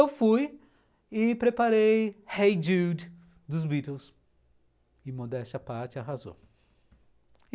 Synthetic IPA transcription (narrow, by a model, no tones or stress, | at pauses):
ewfuj | ɪpɾepaɾejhejd͡ʒud̪ | d̪ʊzbit̪ews | ɪmod̪ɛst͡ʃɐpaɾt͡ʃɪaɦazo̰